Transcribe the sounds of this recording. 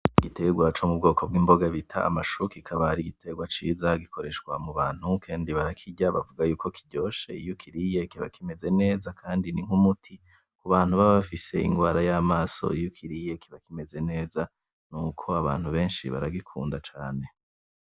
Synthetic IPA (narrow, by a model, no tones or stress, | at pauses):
iɡitʰe̞ɡwat͡ʃomub̚ɡo̞ːkʰo̞b̚ɡiːmbo̞ɡaβitʰa̰a̰maʃukikʰaβaɾiɡitʰe̞ɡwat͡ʃiːzaɡikʰo̞ɾe̞ʃɡwamuβaːn̥hukʰaːndiβaɾakʰiɟaβavuɡajuːko̞kʰiɟo̞ːʃḛijukʰiɾijekiβa̰kime̞ze̞ne̞ːzakʰaːndiniŋ̥humutʰi | kuβaːn̥huβaβafise̞ḭŋɡwaːɾajaːmaːso̞̰ijukʰiɾije̞kiβakime̞ze̞ne̞ːza | nukʰo̞aβa̰ːn̥huβe̞ːnʃḭβa̰ɾaɡikʰṵːndat͡ʃaːne̞